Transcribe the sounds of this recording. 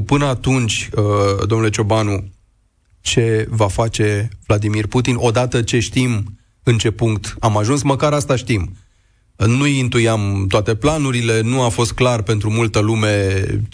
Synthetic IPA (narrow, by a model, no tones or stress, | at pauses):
pɨnəat̪unt͡ʃʲəd̪omnule̞t͡ʃo̞banu | t͡ʃe̞vafat͡ʃe̞vlad̪imirput̪inʔo̞d̪at̪ət͡ʃe̞ʃt̪im | ɨnt͡ʃe̞puŋkt̪amaʒunsməkaɾast̪aʃt̪im | nujint̪ujamt̪oat̪e̞planuɾile̞nuafo̞st̪̚klarpe̞nt̪ɾumult̪əlume̞